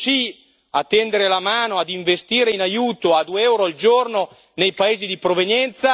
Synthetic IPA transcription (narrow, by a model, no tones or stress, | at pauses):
si | at̪ːɛnd̪eɾelamaːnoad̪iɱvest̪iːɾeinajuːt̪oad̪ueɛwɾoald͡ʒorno | nejpaeːzid̪ipɾovenjɛnt̪sa